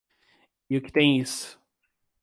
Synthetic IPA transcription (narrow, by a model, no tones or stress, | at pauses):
ɪʊkɪ̥t̪ẽj̃isʊ̥